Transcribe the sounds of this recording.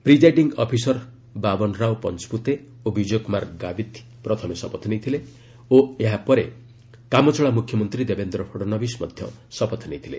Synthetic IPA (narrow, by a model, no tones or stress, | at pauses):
pɾid͡ʒajɖiŋɡɔpʰisɔɾ | babɔnɾawpɔnt͡ʃput̪e | obid͡ʒɔjkumaɾɡabit̪ | pɾɔt̪ʰɔmesɔpɔt̪ʰɔnejt̪ʰile | oeɦapɔɾe | kamɔt͡ʃɔɭamukʰjɔmɔnt̪ɾid̪ebend̪ɾɔpʰoɽɔnɔbismɔ̰d̪ʱjɔ̰sɔpɔt̪ʰɔnejt̪ʰilḛ